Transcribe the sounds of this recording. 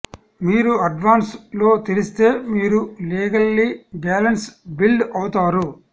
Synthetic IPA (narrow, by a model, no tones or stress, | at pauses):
miːɾuɐɖʋaːnslo̞ːt̪iɾist̪e̞ːmiːɾuliːɡɐlːibɛːlɐnsbilɖɐwut̪aːɾu